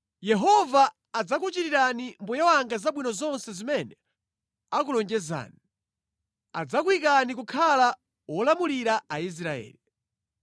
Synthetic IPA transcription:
jɛɦɔvaː | d͡zakut͡ʃiɾiɾanimbujawaŋɡazaɓwinɔzɔnsɛzimɛnɛ | ak̬ulɔŋd͡ʒɛza̰ːni | a̰d͡zakwik̬anikukʰala | wɔlamuliɾaais̬ɾaɛ̰ːli

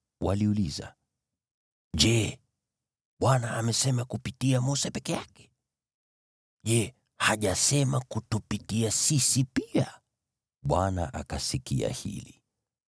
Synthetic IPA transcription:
waliuliza̰ | ʄɛ | ɓwanaːmɛsɛmakupitiamusɛpɛkɛjakɛ̥ | ʄɛ | haʄasɛmakutupitiasisipia | ɓwana̰ʔakasikḭa̰hḭli

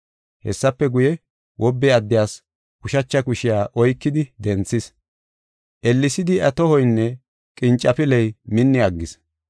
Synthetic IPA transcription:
hɛ̰sːɐpːɛɡʊjɛ | wʔɔbːɛɐd̪ːɪjaːs | kʊʃɐt͡ʃːɐkʊʃɪjaːʔɔjkːɪd̪ɪd̪ɛnt͡sːɪs | ʔɛlːɪsɪd̪ɪɐt̪ɔhɔjnːɛ | kʼɪnt͡ʃʼːɐpɪlɛjmɪnːɪɐɡːɪs

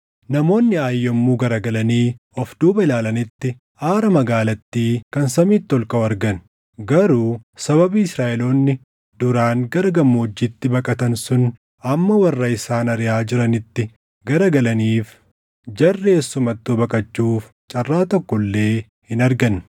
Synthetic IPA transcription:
nɐmo̞ːnːɪaːjːɔmːuːɡɐɾɐɡɐlɐniː | ɔfd̪̥uːbɐɪlaːlɐnɪt̪ːɪ | ʔaːɾɐmɐɡaːlɐt̪ːiːkɐnsɐmiːt̪ːɔlkɐɐɾɡɐn | ɡɐɾuːsɐβɐbiːɪsɾaːʔɛloːnːɪ | d̪̥ʊɾaːŋɡɐɾɐɡɐmːoːd͡ʒːɪt̪ːɪbɐkʼɐt̪ɐnsʊn | ɐmːɐwɐrːɐɪsaːnɐɾɪjaːd͡ʒɪɾɐnɪt̪ːɪ | ɡɐɾɐɡɐlɐniːf | d͡ʒɐrːeːsːʊmɐt̪ːuːbɐkʼɐt͡ʃːuːf | t͡ʃʼɐrːaːt̪ɔkːɔlːe̞ː | hɪnɐɾɡɐn

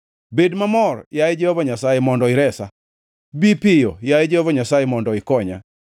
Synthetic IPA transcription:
bedmamɔrjajed͡ʒɛhɔvaɲasajɛmɔndɔɪɾɛsa̰ | bipɪjɔjajed͡ʒɛhɔvaɲasajemɔndɔɪkɔɲa̰

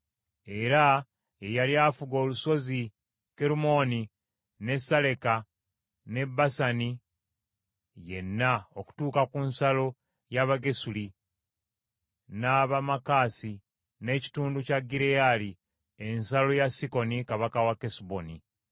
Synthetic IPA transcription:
e̞ɾa | ejaljaːfuɡo̞ːluso̞zi | ke̞ɾumo̞ni | ne̞sale̞ka | ne̞bːasani | je̞nːaoku̥tuːkakunsalo̞ | jaβaɡe̞suli | naβamakaːsi | ne̞ːci̥tuːnducaɡːiɾejali | e̞nsalo̞jasiko̞nikaβakawakesuboni

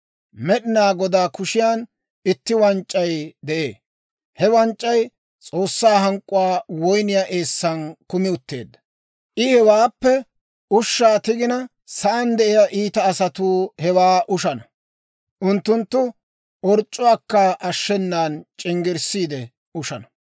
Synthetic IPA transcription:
mɛɗɪnaːɡɔd̪aːkʊʃɪjaːn | ɪt̪ːɪwɐnt͡ʃʼːɐjd̪ɛʔḛː | hɛwɐnt͡ʃʼːɐj | t͡sʼo̞ːsːaːɦɐŋkʼʊwaːwɔjnɪjaʔe̞ːsːɐnkʊmɪʊt̪ːe̞̰ːd̪ːɐ̥ | ʔɪhɛwaːpːɛ | ʊʃːaːt̪ɪɡɪnɐ | sɐʔɐnd̪ɛʔɪjaʔiːt̪ɐːsɐt̪uːhɛwaːʔʊʃɐnɐ | ʔʊnt̪ːʊnt̪ːʊ | ʔɔɾt͡ʃʼːʊwaːkːɐʔɐʃːɛnːaːnt͡ʃʼɪŋɡɪɾsiːd̪ɛ | ʊʃɐnɐ

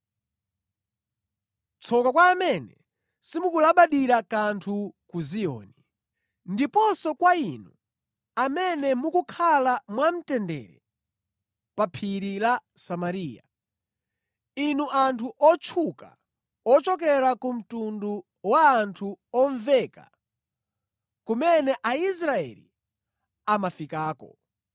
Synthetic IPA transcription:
t͡sʰɔkakwaːmɛnɛ̰ | simukulaɓaɗiɾakantʰukuzijɔ̰ːni | ndipɔsɔkwainu | amɛnɛmukukʰalamwam̩tɛndɛ̰ːɾɛ̰ | papʰiɾilasamaɾiːja̰ | inuʔantʰuʔɔt͡ʃʰuka̰ | ɔt͡ʃɔk̬ɛɾakum̩tundu | waːntʰuɔɱvɛka̰ | kumɛnɛʔais̬ɾaɛ̰lḭ | amafikaːkɔ̰

